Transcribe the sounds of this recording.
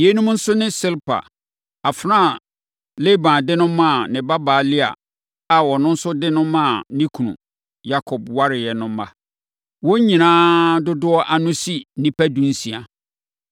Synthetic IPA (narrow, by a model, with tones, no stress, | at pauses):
je˦nũ˦m˦n̩˦sʊ˦nɪ̃˦sɪ˦lpʰa̰˨ | a˨fɾã˦˨ | le˦bã˨dɪ˦nʊ̃˦mã˦˨nɪ̃˨ba˦baː˨lɪ˦a̰˨ | a˨wɔ˨nʊ̃˦n̩˦sʊ˦dɪ˦nʊ̃˦mã˦˨nĩ˦kʰũ˨nṵ̃˨ | ja˦kʰɔ˨bwa˦ɾɪ˨jɛ˨nʊ̃˦m˦ba˦ | wɔ˦ɲĩ˨nãː˦dʊ˦dʊ˦ɔ˦ʔa˨nʊ̃˦si˦nĩ˦pæ˦dũ˨n̩˦sĩ˨a˨